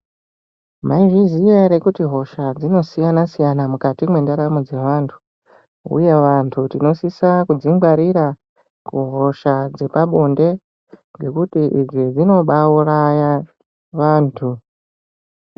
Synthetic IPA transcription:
maiʐizijeɾe̞kutiɦo̞ʃad͡zino̞sijanasijanamukatimwe̞ndaɾamud͡ze̞ʋaːntʰu̥ | ṵje̞ʋantʰutino̞sisakud͡ziŋɡwaɾiɾa | kuɦo̞ʃad͡ze̞paɓo̞nde̞ | ŋɡe̞kutiʔid͡zid͡zino̞ɓauraja | ʋaːntʰu

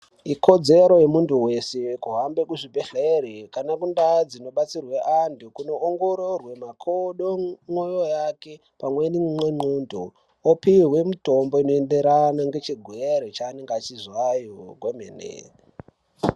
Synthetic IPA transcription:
ikʰo̞d͡ze̞ɾo̞jemuntʰuwe̞sekuɦambekuʐibʱeɬeeɾikanakundad͡zino̞ɓat͡sirweʔantʰukuno̞ːŋɡo̞ɾo̞rwe̞makʰoɗoŋwojo̞jake̞ | pamwenimweŋ͡ǃuːndʱu | opiɦwe̞muto̞mbo̞inoendeɾanaŋɡe̞t͡ʃiɡʱweɾet͡ʃaːneŋɡat͡ʃizwajoɡʱwemenḛ

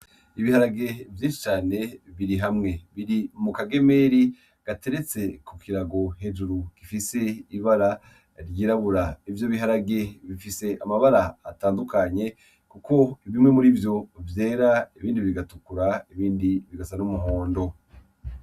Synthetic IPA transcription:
iβihaɾaɡe̞vjiːnʃi̥t͡ʃaːne̞βiɾiɦamŋe̞βiɾimukaɡe̞me̞ɾi | ɡ̥ate̞ɾe̞t͡se̞kukiɾaɡo̞he̞d͡ʒuɾukifise̞iβaɾa | ɾjiːɾaβuɾaivjoβiɦaɾaɡe̞βifise̞ʔamaβaɾaːtaːndukaɲe̞ | kuko̞iβimŋe̞muɾivjo̞vje̞ːɾaiβiːndiβiɡatukuɾaiβiːndiβiɡasanumuɦo̞ːndo̞

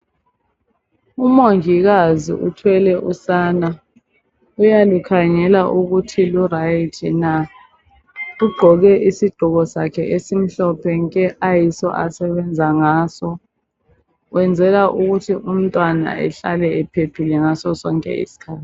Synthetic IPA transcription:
umoŋiɣazḭʔutʰwɛlɛʔusaːna | ujalukʰaŋɛlaʔuɣutʰilurajitʰina | uɡ͡ǃʱɔɣɛʔisiɡ͡ǃʱuɣɔsakʰɛʔesim̩ɬɔpʰɛŋkʼɛʔajisɔ̰ʔasɛβɛnd͡zʱaŋaːsɔ | wɛnd͡zʱɛlaʔuɣutʰiʔum̩tʼwana̰ɛ̰ɬa̰lɛɛpʰepʰilɛŋasɔsɔŋkʼɛ̰ḭsi̥kʰaːtʰi̥

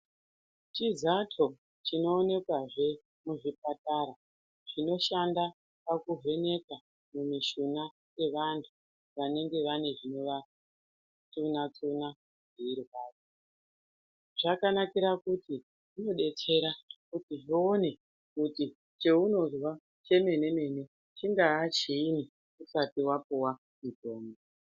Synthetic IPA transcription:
t͡ʃizatʰo̞ | t͡ʃino̞ːne̞kwaʐe̞ | muʐip̚ataɾa | ʐ̥ino̞ʃanda | pakuɦe̞ne̞ka | mumiʃuna | je̞ʋantʰu | ʋane̞ŋɡe̞ʋane̞ʐino̞ʋa | t͡sunat͡suna | ʐiirwaːri | ʐ̥akanakiɾakuti | ʐino̞ɗe̞t͡se̞ɾakutiʐio̞ne̞ | kuti | t͡ʃe̞uno̞zwa | t͡ʃe̞me̞ne̞me̞ne̞ | t͡ʃiŋɡaːt͡ʃiːni | usatiwapuwa | mid͡ʒoːmbo

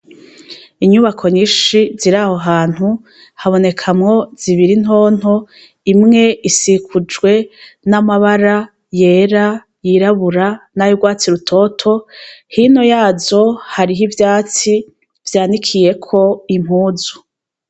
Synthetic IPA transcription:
iɲuβakʰo̞ɲiʃiziɾaho̞ɦaːn̥hu | haβo̞ne̞kʰamŋo̞z̥iβiɾin̥ɦo̞ːn̥ho | imŋe̞isikʰud͡ʒɡwe̞namaβaɾa | je̞ːɾa | jiɾaβuɾanajuɡwaːt͡siɾutʰo̞tʰo̞hino̞jaːzo̞haɾiɦivjaːt͡si | vjaːnikʰije̞kʰo̞imhuːzu̥

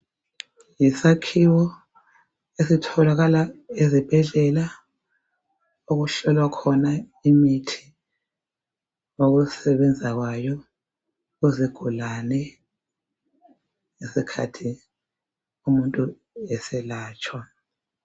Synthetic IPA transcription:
jisakʰiwɔ | esitʰɔlaɣalaezib̥ʱɛɮɛla | oɣuɬɔlwakʰɔna | imitʰi̥ | oɣusɛβɛnd͡zʱaɣwajɔ | uziɡ̥ʱulanɛ | ŋesikʰatʰi | umuntʼu | ɛsɛlaːt͡ʃʼwa

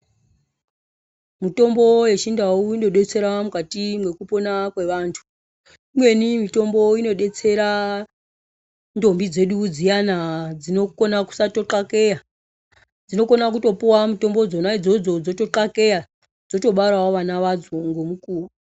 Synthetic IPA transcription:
mito̞mbo̞je̞t͡ʃindauino̞ɗe̞t͡se̞ɾamukatimwe̞kupo̞nakwe̞ʋaːntʰu̥ | imwe̞nimito̞mbo̞ino̞ɗe̞t͡se̞ɾa | ndo̞mbid͡ze̞ɗud͡zijanad͡zino̞ko̞naku̥sato̞ǁake̞ja | d͡zino̞ko̞nakuto̞puwamito̞mbo̞d͡zo̞naid͡zo̞d͡zo̞d͡zo̞to̞ǁake̞ja | d͡zo̞to̞ɓaɾawoʋanaʋad͡zoŋɡo̞mukuːru

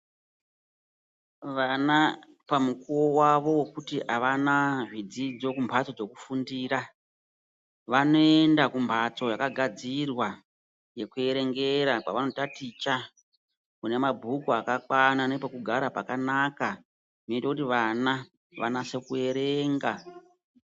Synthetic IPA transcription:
ʋana | pamukuwo̞waʋo̞we̞kutiaʋanaʐid͡zid͡zo̞kumbʱat͡so̞d͡zo̞kufundiːra | ʋano̞e̞ndakumbʰʱat͡so̞jakaɡʱad͡zirwa | je̞kue̞ɾe̞ŋɡe̞ɾakwa̰ʋano̞tatit͡ʃa | kune̞mabʱukuakakwananepokuɡʱaɾapakanaka | ʐinoitakutiʋana | ʋa̰nase̞kue̞ɾeːŋɡa

